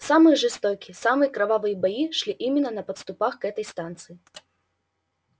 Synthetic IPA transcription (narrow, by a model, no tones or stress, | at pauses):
samɨjɛʐɨst̪ɔkʲisamɨjɐkɾavavɨjɐbajiʂlʲiʔimʲɪnːɐnɐpɐt̪st̪ʊpaxkɛt̪ɐjst̪ant̪sɨji